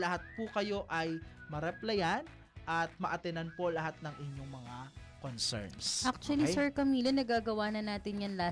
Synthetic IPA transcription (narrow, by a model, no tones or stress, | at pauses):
lɐhat̪̚pukɐjo̞ʔɐjmɐɾɛplɐjan | ʔɐt̪̚mɐʔɐt̪ɛnanpo̞lɐɦat̪̚nɐŋɪɲjo̞ŋmɐŋakonsɛ̰ɹnsʔak̚t͡ʃʊwɐlisɛɹkɐmiːlɐnɐɡaːɡɐwaːnɐnaːt̪ɪnjɐnla